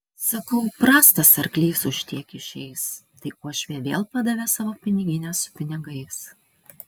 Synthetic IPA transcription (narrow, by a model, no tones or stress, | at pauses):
sɐkɐʊpɾɑːst̪ɐsɐɾklʲiːsʊʃʲt̪ʲiɛkʲɪʃʲɛɪst̪ɐɪʔuɔʃʲʋʲeːʋʲeːlˠpɑd̪ɐʋʲɛːsɑːʋoːpʲɪnʲɪɡʲɪnʲɛsʊ̥pʲɪnʲɪɡɐɪs